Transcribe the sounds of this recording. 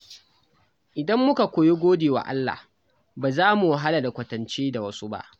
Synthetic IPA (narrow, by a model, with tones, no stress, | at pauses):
ʔɪ˨dɐ˦mːʊ˦ka˨kʷoː˨je˦ɡʷoː˦deː˨wa̰ː˨ʔa̰˦lːa̰ː˨h | baː˨zaː˦mu˨wa˦ɦa˦la˨da˨kʷɐ˨tɐ˨nt͡ʃeː˦da˨wɐ˦su˦ba̰˦ʔ